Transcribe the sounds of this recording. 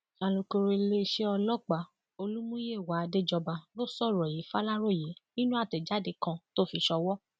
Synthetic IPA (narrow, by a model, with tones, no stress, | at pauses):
a˨lo˨ko˧ɾe˧le˧ʃe˦ɔ˧lɔ˦˨k͡pa˨ | o˧lu˦mũ˦je˦˨wa˨˦a˧de˦d͡ʒɔ˧ba˧lo˦sɔ˦˨ɾɔ˨ji˨˦fa˦la˦ɾo˦˨je˨˦nĩ˦nũ˦a˦˨tɛ˨d͡ʒa˨˦de˨˧kã˧to˦fi˧ʃɔ˧wɔ˦